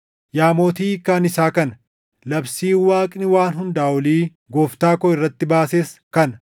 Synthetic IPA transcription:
jaːmo̞ːt̪iːkaːnɪsaːkɐnɐ | lɐbsiːwaːkʼnɪwaːnɦʊnd̪aːwɐliː | ɡoːft̪aːkɔɪrːɐt̪ːɪbaːseːskɐnɐ

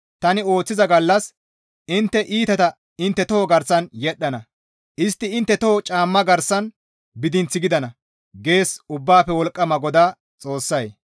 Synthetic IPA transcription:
t̪ɐnɪo̞ːt͡sːɪzɐɡɐlːɐs | ʔɪnt̪ːɛʔiːt̪ɐt̪ɐ | ɪnt̪ːɛt̪ɔoːɡɐɾsɐnjɛɗːɐnɐ | ʔɪst̪ːɪɪnt̪ːɛt̪ot͡ʃʼaːmːɐɡɐɾsɐn | bɪd̪ɪnt͡sːɪɡɪd̪ɐnɐ | ɡe̞ːsʊbːaːpːɛwɔlkʼːɐmɐɡɔd̪aː | t͡sʼo̞ːsːɐj

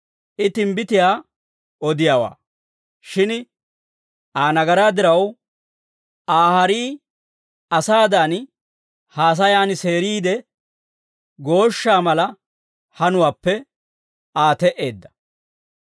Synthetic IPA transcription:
ʔɪt̪ɪmbɪt̪ɪjaː | ɔd̪ɪjaːwa̰ː | ʃɪn | ʔaːnɐɡɐɾaːd̪ɪɾɐw | ʔaːhɐɾiː | ɐsaːd̪aːn | haːs̬ɐjaːnɪse̞ːɾiːd̪ɛ | ɡo̞ːʃːaːmɐlɐ | hɐnʊwaːpːɛ | aːt̪ɛʔe̞ːd̪ːɐ̥

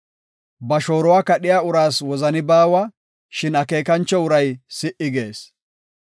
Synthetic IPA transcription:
bɐʃo̞ːɾɔwaːkɐɗɪjaːʊɾaːswɔzɐnɪbaːwa | ʃɪnɐke̞ːkɐnt͡ʃːɔʊɾɐjsɪʔɪɡe̞ːs

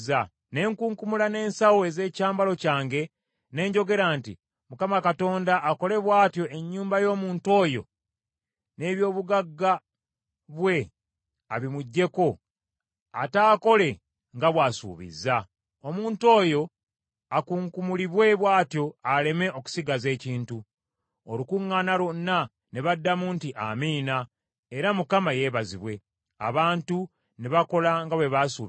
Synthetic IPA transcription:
za | ne̞ːŋkuːŋkumulane̞ːnsawoeze̞ːcaːmbalo̞caːŋɡe̞ | ne̞ːɲɟo̞ɡe̞ɾaːntḭ | mukamakato̞ːndaʔːko̞le̞βwaːtjo̞ʔe̞ɲːuːmbajo̞ːmuːnto̞ːjo̞̰ | ne̞ːβjo̞ːβuɡaɡːa | βwe̞ | a̰βimuɟːe̞ko̞ | a̰taːko̞le̞ | ŋɡaβwaːsṵːβḭzːa | o̞muːnto̞ːjo̞ | akuːŋkumuliβwe̞βwaːtjo̞ale̞me̞o̞ku̥siɡaze̞ːciːntu | olukuŋːaːnaɾo̞nːa | ne̞βadːamuntiʔamiːna | eɾamukamaje̞ːβaziβwe̞ | a̰βaːntu | neβako̞laŋɡaβwe̞βasuː

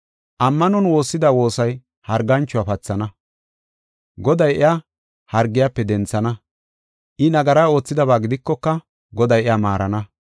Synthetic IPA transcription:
ʔɐmːɐnɔnwo̞ːsːɪd̪aːwo̞ːsɐj | hɐɾɡːɐnt͡ʃːʊwaːpɐt͡sːɐnɐ | ɡɔd̪ɐjʔɪja | hɐɾɡːɪjaːpːɛd̪ɛnt͡sːɐnɐ | ʔɪnɐɡɐɾaːo̞ːt͡sːɪd̪ɐβaːɡɪd̪ɪkːɔkːɐ | ɡɔd̪ɐjɪjaːmaːɾɐnɐ

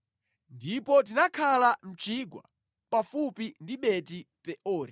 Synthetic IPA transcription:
ndipɔt̬inakʰalam̩t͡ʃiɡwa̰ | pafupindiɓɛtipɛʔɔːɾi

